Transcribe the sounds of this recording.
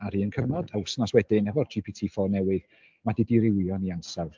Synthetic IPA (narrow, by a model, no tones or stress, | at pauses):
aɾiːənkʰəvnɔd̥aʊsnaswɛdɪnɛvɔrd͡ʒipʰitʰiːfɔnɛwɨð | madidiɾɪwjɔniansawˠ